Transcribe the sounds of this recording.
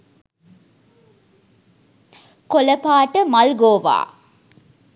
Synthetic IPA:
koləpaːʈəmɐlɡoːʋa̰ː

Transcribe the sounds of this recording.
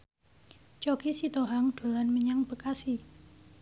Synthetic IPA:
t͡ʃɔkisit̪oɦaŋɖ̪̥o̤lanməɲaŋb̥əkasi

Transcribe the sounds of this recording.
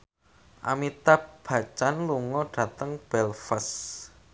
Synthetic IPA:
ʔa̰mit̪ab̥ä̤t͡ʃanluŋɔɖ̥a̤t̪əŋb̥ɛlfəs

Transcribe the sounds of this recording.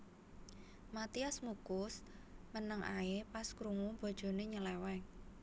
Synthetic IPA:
mat̪iasmukʊs | mənəŋʔa̰epaskɾuŋub̥o̤d̥ʒ̥o̤neɲəlɛwɛŋ

